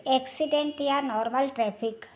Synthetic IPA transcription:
ɛksiɖẽɳʈjanɔːɾməlʈɾɛːpʰik

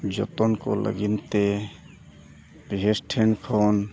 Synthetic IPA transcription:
d͡ʒo̰t̪onko̰lə̰ɡɪnt̪e | besʈʰenkʰoːn

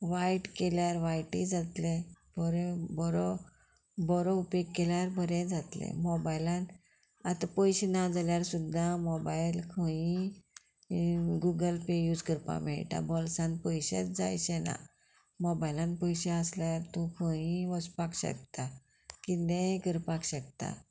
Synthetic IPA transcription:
ʋajʈkeljaɾʋajʈid͡zat̪lebɔɾebɔɾɔ | bɔɾoupekːeljaɾbʱəɾẽd͡zat̪lḛ̃mɔbajlãn | at̪apəjɕenad͡zaljaɾsud̪ʱːamɔbailkʰə̃ĩ | ɡuɡəlpejuːd͡zkəɾpa̰m̤ɛ̰ɭʈa̰bɔlsãnpəjɕḛt͡sd͡za̰jɕena̰ | mɔbajlãnpəjɕeəsljaɾt̪ũkʰə̃ĩʋəspakɕə̰k̚t̪a | kit̪ẽkəɾpakɕək̚t̪a̰

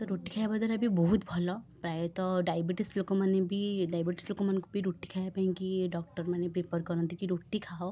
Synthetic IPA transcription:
t̪ɔɾoʈikʰajbad̪aɾabibɔɦut̪bʱɔlɔpɾajɔt̪ɔɖajbiʈislokɔmanebiɖajbiʈi̥slokɔmankubiɾoʈi̥kʰajapaɦĩkiɖɔk̚ʈɔɾmanepɾepɔɾkɔɾɔnt̪ikiɾoʈikʰao

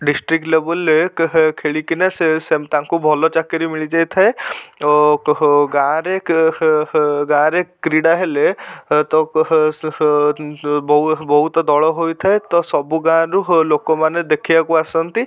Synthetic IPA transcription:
ɖisʈɾikʈlebəlekʰeɭikinaseset̪aŋkubʱɔlɔt͡ʃakəɾimiɭid͡ʒajt̪ʰae | ɡãɾek | ɡãɾekːɾiɽaɦelet̪ɔ | bɔɦubɔɦut̪d̪ɔɭɔɦojt̪ʰaet̪ɔsɔbuɡãɾulokɔmaned̪ekʰijakuasɔnt̪i

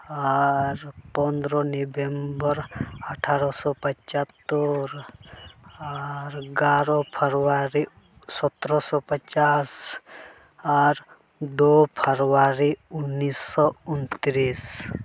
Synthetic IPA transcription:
aɾpɔ̃nd̪ɾɔnibembəɾəʈʰaːɾɔsɔpət͡ʃat̪ːəɾ | aɾɡaːɾɔpʰəɾwaɾi | sɔt̪ɾɔsɔpət͡ʃas | aɾ | d̪opʰəɾwaɾiʊnːisːɔʊnt̪ɾiːs

